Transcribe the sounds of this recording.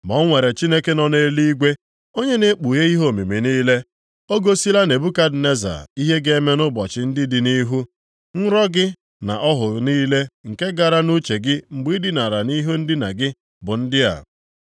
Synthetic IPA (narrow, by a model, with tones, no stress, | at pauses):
mɔ˨˦ŋʷe˨ɾe˨t͡ʃi˦ne˦ke˦nɔ˨ne˦li˦ɡʷe˦ | o˦ɲe˦ne˦k͡pu˨je˦i˦ɦo˦˨mi˨mi˨niː˦le˦ | o˦ɡo˦si˦la˦ne˨bu˦ka˦dne˦za̰˨i˦ɦe˦ɡe˦me˦nʊ˦bɔ˨t͡ʃɪ˨˦n̩˦dɪ˦dɪ˨ni˦ɦu˦ | n̩˦ɾɔ˦ɡɪ˦ | na̰˨ʔɔ˦ɦʊ˨niː˦le˦ŋ̩˨ke˦ɡa˨ɾa˦nu˦t͡ʃe˨ɡɪ˦ŋ͡m̩˨ɡ͡bi˦dɪ˦na˨ɾa˨ni˦ɦu˦n̩˦dɪ˦na̰˨ɡɪ˦ | bʊ˨n̩˦dɪ˦a̰˨